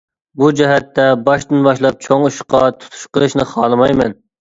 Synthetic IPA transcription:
bud͡ʒɛɦɛt̪ːɛbɑʃt̪ɨnbɑʃlˠɑp̚t͡ʃʰoŋuʃqɑt̪ʰu̥t̪ʰu̥ʃqəlˠɨʃnɨχɑːlˠɨmɑjmɛn

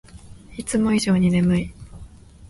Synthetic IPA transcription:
it͡sɨmo̞iʑo̞ːɲ̟ine̞mɯ̟i

